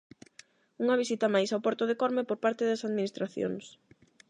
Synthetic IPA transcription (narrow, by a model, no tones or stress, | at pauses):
uŋɐβ̞isit̪ɐmajsawpɔɾt̪oðekɔɾmepoɾpaɾt̪ɪðɐsaðminist̪ɾaθjo̰ŋs